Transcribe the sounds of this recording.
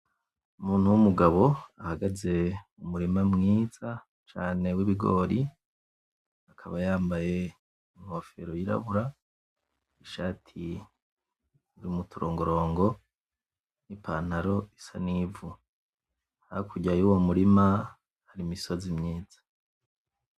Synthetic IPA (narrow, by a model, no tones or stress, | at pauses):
umuːnhuwumuɡaβo̞ahaɡaze̞umuɾimamŋiːz̥a | t͡ʃaːne̞wiβiɡo̰ːɾi | akʰaβajaːmbaje̞ | iŋho̞fe̞̰ɾojiɾa̰βuɾa | iʃaːtʰi | uɾimutʰuɾoːŋɡo̞ɾo̞ːŋɡo̞ | nipa̰ːn̥aɾo̞isa̰nivu | haaakʰuɟajuwomuɾima | haɾimiso̞zimɲiːz̥ḁ